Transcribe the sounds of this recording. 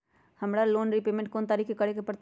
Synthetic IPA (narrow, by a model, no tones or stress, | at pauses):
həmɾaloːnɾipeːmẽɳʈ̚koːnt̪aːɾikʰekəɽekepɾət̪